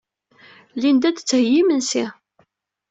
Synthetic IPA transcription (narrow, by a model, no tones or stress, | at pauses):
lind̪æd̪ət͡sːhəjːimənsi